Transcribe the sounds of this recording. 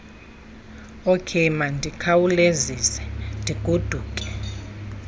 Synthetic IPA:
okʰemandʱikʰawulezisɛ̥ndʱiɡ̥ʱud̥ʱuːkʼɛ̥

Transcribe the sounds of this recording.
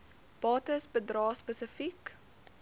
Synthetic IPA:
b̥ɑːtəsbədrɑːspəsəfik

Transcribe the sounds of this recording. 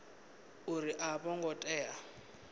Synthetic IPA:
uɾiʔabɔŋɡɔtʼɛːa

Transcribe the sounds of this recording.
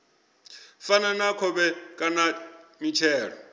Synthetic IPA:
fananakʰɔɓɛkʼanamit͡ʃʰɛːɺɔ

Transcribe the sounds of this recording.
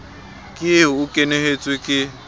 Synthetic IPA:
kʼɪeukʼeneɦet͡sʼwikʼɪ

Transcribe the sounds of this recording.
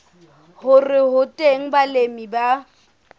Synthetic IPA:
hʊrɪɦʊtʼeŋ̩balemiba

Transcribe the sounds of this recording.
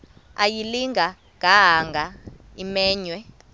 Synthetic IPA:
ajiliŋɡʱa | ɡʱaɦaŋɡʱa | imɛːɲwɛ

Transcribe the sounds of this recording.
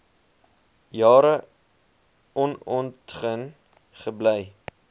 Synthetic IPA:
jɑːɾə | ɔnɔntχən | χəbləj

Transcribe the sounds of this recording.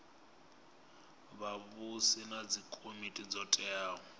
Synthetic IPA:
βaβʊsɪnad͡zikʼomitʼid͡zɔtʼɛaːɔ

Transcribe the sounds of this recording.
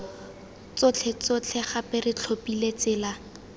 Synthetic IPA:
t͡sʊt͡ɬʰɛt͡sot͡ɬʰɛχapɛrɪt͡ɬʰopilet͡sɪːla

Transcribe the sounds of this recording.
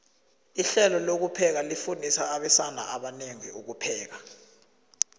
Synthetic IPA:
iɬɛlɔlok̬upʰɛk̬alifundʱisaːɓɛsana̰aɓaneŋḭuk̬upʰɛːk̬a

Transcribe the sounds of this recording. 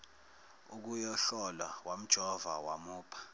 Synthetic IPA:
uk̬ujɔɬɔlawam̩d̥ʒ̥ʱɔvawamuːpʰḁ

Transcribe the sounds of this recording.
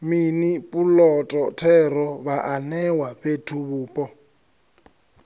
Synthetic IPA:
minipʼulɔtʼɔtʰɛɾɔβaʔanɛwaɸetʰuβuːpʼɔ

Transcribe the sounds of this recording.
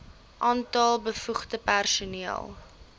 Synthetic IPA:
ʔɑːntɐlˠbəfuχtəpærsuniəlˠ

